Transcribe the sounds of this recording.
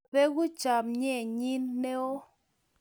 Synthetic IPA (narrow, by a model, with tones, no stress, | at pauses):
pe˦ɡu˦t͡ʃa˨mɲɛ˦˨ɲi˦nːe˦ɔ˦